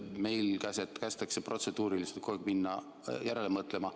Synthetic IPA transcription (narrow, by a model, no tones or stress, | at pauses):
me̞jlkæset̪kæst̪ɑksepro̞t̪se̞d̪̥uːɾiliselt̪koekminːɑ | jæɾelemɤt̪le̞mɑ